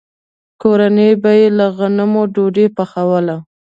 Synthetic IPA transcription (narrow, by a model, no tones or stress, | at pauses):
koɾanəjbajelaɣanəmoɖoɖepaxawəla